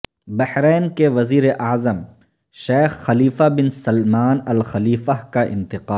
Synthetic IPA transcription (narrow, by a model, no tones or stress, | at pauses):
bɐhɾeːnkeʋɐziːɾeʔɐːzəm | ʃeːxːɐliːfabɪnsɐlmaːnɐlxɐliːfaɦkaʔɪ̰̃nt̪ɪqaːl